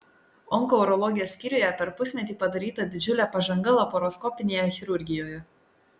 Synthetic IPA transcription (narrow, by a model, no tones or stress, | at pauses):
ɔŋkɔʊɾɔlˠɔɡʲɪjɛːsʲkʲiːɾʲʊjɛpʲɛɾpʊsʲmʲɛt̪ʲiːpɐd̪ɐɾʲiːt̪ɐd̪ʲɪd͡ʒʲʊlʲæpɐʒɐŋɡɐlˠɐpɔɾɔskɔpʲɪnʲeːjɛxʲɪɾʊɾʲɡʲɪjoːjɛ